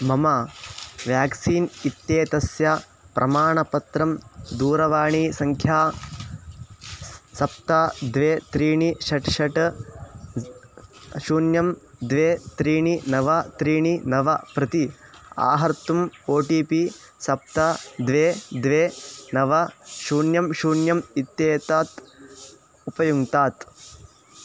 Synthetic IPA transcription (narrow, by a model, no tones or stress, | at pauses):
mɐmɐʋjaːksiːnit̪jeːt̪ɐsja | pɾʔɐmaːɳɐpɐt̪ɾɐmd̪uːɾɐʋaːɳiːsɐŋkʰjaː | sɐp̚t̪ad̪ʋeːt̪ɾiːɳiʃɐʈʂɐʈ | ʃuːnjɐmd̪ʋeːt̪ɾiːɳinɐʋɐt̪ɾiːɳinɐʋɐpɾɐt̪ia̰ːɦɐɾt̪umoːʈiːpi | sɐp̚t̪ad̪ʋeːd̪ʋeːnɐʋɐʃuːnjɐmʃuːnjɐmit̪jeːt̪aːt̪ | upɐjuŋt̪aːt̪